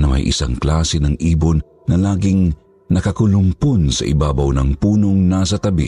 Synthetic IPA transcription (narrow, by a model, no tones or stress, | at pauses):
nɐmɐ̰jʔɪ̰sa̰ŋklaːsɛnɐŋʔiːbonːɐlaːɡɪŋ | nɐkɐkʊlʊmponsɐ̰ʔɪ̰baːbɐwnɐŋpuːnoŋnaːs̬ɐt̪ɐbḭ